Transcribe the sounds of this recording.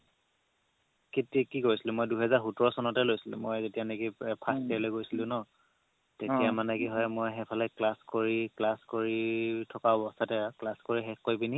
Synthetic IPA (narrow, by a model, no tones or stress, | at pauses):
ketikikoɹisilʊ̃mojduɦɛzaɹxutɔɹɔsɔnɔtɛlojsilʊ̰̃mojzetijanekipʰastɛlojɡojsilʊ̃nɔ | tetijamanɛkiɦɔjmojɦɛpʰɔlɛklaskoɹiklaskoɹitʰɔkaɔbɔsatɛklaskoɹiɦɛxkojbini